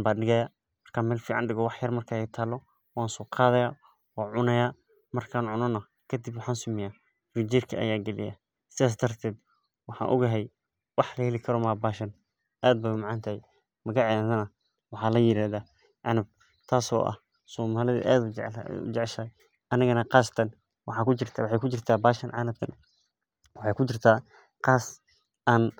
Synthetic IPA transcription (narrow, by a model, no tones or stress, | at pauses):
baːɖɪɣɐja | mɐrkʰaːnmɛːlfiːʕɑnɖɪɣɔwɑħjɐrmɐrkʰaːɛjt̪ʰaːlːɔ | waːnsɔːqʰɑːðɐjaː | waːʕʊnɐjaː | mɐrkʰaːnʕʊnɔnɐ | kʰɐd̪ɪbwɑħaːnsʊmɪjaː | frid͡ʒiːrkʰɐ̰ʔɐ̰jaːɡɛlɪ̰ja̰ | sɪðaːs̬d̪ɐrt̪ʰɛːd̪ | wɑħɑ̰ːnʔʊ̰ɣɐɦɛj | wɑħlɐhɛlɪkʰɐɾɔmaːbaːʃɐn | ʔaːd̪̚bɛjmɑʕɑnt̪ʰɐɛj | mɐɣɑʕaðɐnɐ | wɑħɑːlɐjɪɾaːðaː | ʕɑnʊb̚ | t̪ʰaːsɔ̰ːʔɐ̰h | sɔːmaːlɪðɐ̰ʔa̰ːd̪ʊʊ̰t͡ʃɛʕʃaj | ʔɐnɐɣɐnɐqɑːst̪ʰɐn | wɑħɑːkʰʊt͡ʃɪrt̪ʰwɑħɑjkʰʊt͡ʃɪrt̪ʰaːbaːʃɐnʕɑ̰nɐbt̪ʰɐ̰n | wɑħɑjkʰʊt͡ʃɪrt̪ʰaː | qɑːs | ʔaːn